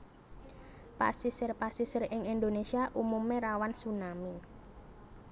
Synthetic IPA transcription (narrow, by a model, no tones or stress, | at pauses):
pa̰sisərpasisərɪŋind̪onesiaʔumumeɾawansunami